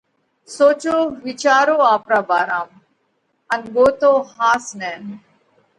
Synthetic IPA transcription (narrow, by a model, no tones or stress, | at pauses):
soːt͡ʃoːʋit͡ʃaːɾoːaːpɾaːbaːɾaːm | ɐnɡoːt̪oːɦaːsnɛːn